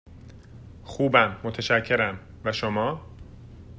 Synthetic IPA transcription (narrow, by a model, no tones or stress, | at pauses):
xuːbæmːot̪ʰeʃæcʰːe̞ɾæm | væʃomɒː